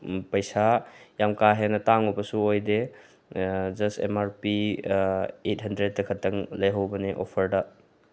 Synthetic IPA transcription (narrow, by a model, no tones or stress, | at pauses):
pɐjsajamkaɦenɐtaŋubɐsuojde | d͡ʒɐstḛmaɾpi | et̚hɐndɾed̚tɐkʰɐtːɐŋlɐjɦawbɐneʔo̰pʰɐɾdɐ